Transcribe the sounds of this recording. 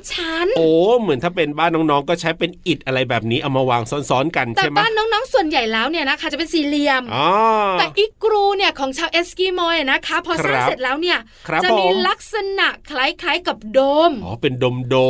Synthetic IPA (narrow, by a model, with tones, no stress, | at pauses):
t͡ɕʰa˦˥nʔoː˨˩mɯ˨˩˦nt̪ʰaː˥˩p̬e˧nbaː˥˩nːɔː˦˥ŋnɔː˦˥ŋkɔː˥˩t͡ɕʰa˦˥jpe˧nʔi˨˩t̪̚ʔa˧ɾa˧jbɛː˨˩p̚niː˦˥ʔa˨˧˩wmaː˧waː˧ŋsɔː˦˥nsɔː˦˥nka˧nt͡ɕʰt̪ːa˥˩mbaː˦˥˩nːɔː˦˥ŋnɔː˦˥ŋsu˨˩ənja˨˩jlɛː˦˥wni˥˩ɐna˦˥kʰa˥˩t͡ɕa˨˩pe˧nsiː˨˦li˧əmʔɔː˧˩t̪ɛː˨ʔiː˦˥kɾuː˧ni˥˩ɐkʰɔː˩˦ŋt͡ɕʰaː˧wʔeː˦˥skiː˧˩moː˧jʔa˨˩na˦˥kʰa˦˥pʰɔː˧a˦se˨˩t̪̚lɛː˦˥wni˥˩ɐ | kʰɾa˦˥t͡ɕa˨˩pm˧la˦˥k̚sa˧na˨˩ʔkʰla˨˥jkʰla˦˥jka˨˩p̚doː˧mʔɔ̰ː˦pe˧ndoː˧mdo˧